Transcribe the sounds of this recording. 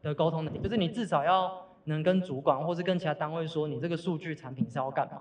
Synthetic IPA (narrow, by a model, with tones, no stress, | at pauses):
d̪ə˨ko˥ʊt̪ʰʊ˥ŋnə˧˦˥i˨jʂ̩˥˩ni˨˩t͡sɻ̩˥˩sɑ˨˩ʊjɑ˥˩ʊ | nɤ˧˦˥ŋkə˦nt͡su˧˥kwa˨˩nxwɔ˥˧ʂɻ̩˥˧kə˥nt͡ɕʰi˧˥a˥t̪a˥ŋwe˥˩ɪswɔ˦ni˨˩t͡sɤ˥˩ɡə˨˩ʂu˥˧t͡ɕy˥˩ʈ͡ʂʰa˨˦npʰi˨˩˦nsjɑ˥˧ʊka˥˩nma̰˨